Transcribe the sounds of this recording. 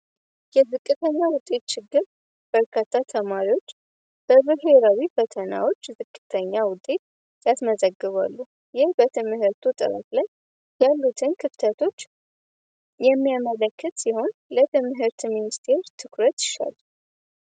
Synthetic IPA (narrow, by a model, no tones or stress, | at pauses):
jɛzɨkʼːɨt̪ʰəɲːawʊt̪ʼe̞t̪̚t͡ʃɪɡːɨɾ | b̥əɾkʰat̪ʰːat̪ʰəmaɾiwo̞t͡ʃː | b̥əβɨɦe̞ɾawifət̪ʰəna̰wo̞t͡ʃːzɨkʼːɨt̪ʰəɲːawʊt̪ʼːe̞t̪̚ | jasməzəɡːɨβa̰lːu | jɪhbət̪ʰɨmɦɨɾt̪ʰut̪ʼɨ̰ɾə̰t̪laj | jalːut̪ʰɨnkʰɨft̪ʰət̪ʰo̞t͡ʃː | jɛmːijamələkʰːət̪siho̞nlət̪ʰɨmɦɨɾt̪minist̪ʰe̞ɾt̪ʰɨkɾət̪jɪʃa̰lː